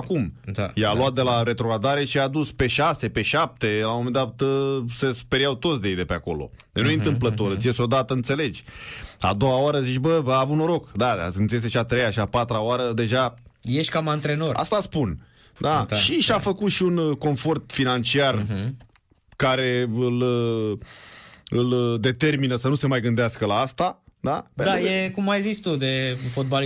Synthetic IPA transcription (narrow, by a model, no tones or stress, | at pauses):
akumajalwat̪̚d̪e̞laɾe̞t̪ɾokad̪aɾe̞ʃiad̪uspe̞ʃase̞pe̞ʃap̚t̪e̞lamo̞mend̪at̪se̞su̥peɾiawt̪ot̪sd̪ejed̪e̞peako̞̰lo̞̰ | d̪enujeiɨnt̪ɨmplət̪o̞ɾɨt̪sijesʲod̪at̪əɨnt̪se̞le̞d͡ʒʲa̰d̪o̞waoaɾəzit͡ʃbəvəavunoɾo̞kd̪ad̪a̰ɨnt̪ijes̬eʃiat̪ɾejaʃiapat̪ɾaoaɾəd̪e̞ʒajeʃkamant̪ɾe̞no̞ra̰st̪aspun | d̪aʃiʃiafəkut̪ʃiunko̞nfo̞rt̪finant͡ʃiar | kaɾe̞ɨl | ɨld̪e̞t̪e̞rminəsənuse̞majɡɨnd̪easkəlaast̪ad̪apend̪aɾjekumːajzit͡ʃt̪ud̪efot̪̚bal